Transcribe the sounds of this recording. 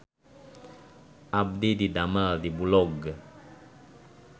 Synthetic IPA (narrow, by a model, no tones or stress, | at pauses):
ʔab̚dididamaldibulɔɡ